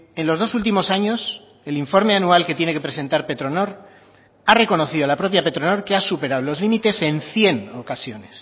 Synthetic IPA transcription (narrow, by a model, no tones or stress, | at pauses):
e̞nlo̞zð̞o̞sult̪imo̞saɲo̞s | e̞liɱfo̞ɾme̞anualket̪je̞ne̞ke̞pɾe̞se̞nt̪aɾpe̞t̪ɾo̞no̞ɾ | are̞ko̞no̞θiðolapɾo̞pjape̞t̪ɾono̞ɾkeasupe̞ɾaðlo̞zlimit̪e̞se̞nθje̞nokasjo̞ne̞s